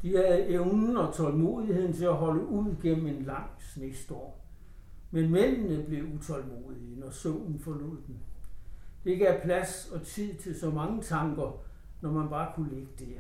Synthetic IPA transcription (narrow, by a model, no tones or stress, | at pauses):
d̥ihæð̩ˠeʊnn̩ɒ̽t͡sʰɒ̽lmo̝̰ːihe̝ð̰ˠn̩t͡sʰe̝læɦɒ̽ləʔuð̰ˠɡ̥en̰m̩e̝nlɑ̈ŋ̰snesd̥ɒ̰ɐ̰ | menmen̰nəb̥le̝ut͡sʰɒ̽lmo̝̰ːðˠinɒsɔʊnn̩fɒ̽lo̝̰ð̰ˠd̥en | d̥ee̝ɡ̥əæɐpʰlæsɒ̽t͡sʰið̰ˠt͡sʰe̝lsɒ̽mɑ̈ŋət͡sʰɑ̈ŋɡ̥ɐ | nɒmænb̥ɑ̈ːkʰuleɡ̥əd̥eɐ